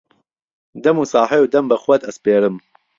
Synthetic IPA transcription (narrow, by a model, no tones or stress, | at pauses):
d̪ɐmuːsɑːħɛjuːd̪ɐmbɐxwɐd̪ɐspeːɾɨm